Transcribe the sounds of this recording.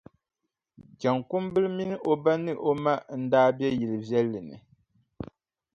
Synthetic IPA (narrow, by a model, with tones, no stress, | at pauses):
d͡ʒa˨ŋku˦mbɨ˦lmi˦nɨ˦ʔo˦ba˦nɨ˦ʔo˦ma˦n̩˦daː˦bjɛ˦ji˨lɨ˨vɛ˦lːɨ˨nɨ̰˨